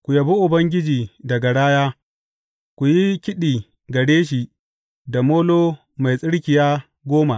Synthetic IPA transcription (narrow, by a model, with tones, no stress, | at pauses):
kʷʊ˨jɐ˨bʊ˦ʔʊ˨bɐ˦ŋɡʲɪ˦d͡ʒiː˨dɐ˨ɡa˨ɽaː˦jaː˦ | kʷu˨ji˦kʲɪ˦ɗiː˨ | ɡɐ˨ɽeː˦ʃ̬i˨ʔ | da˨moː˦loː˦ | ma˨jsʼɪ˦ɽkʲɪ˨jaː˦ | ɡʷoː˦ma˨ʔ